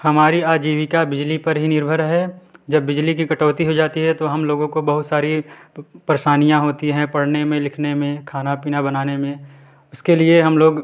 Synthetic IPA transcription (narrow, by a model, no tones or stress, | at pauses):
hɐmaːɾiaːd͡ʒiːʋɪkabɪd͡ʒlipɐɾɦinɪɾbʱəɾɦɛd͡ʒɐbːɪd͡ʒlikikɐʈɔːt̪iɦod͡ʒaːt̪iɦɛt̪oɦɐmloːɡõkobɐɦʊt̪saːɾipɾeʃaːnijãɦoːt̪iɦɛ̃pɐɽnemẽlɪkʰnemẽkʰaːnapiːnabɐnaːnemẽ | ʊskelieɦɐmloːɡ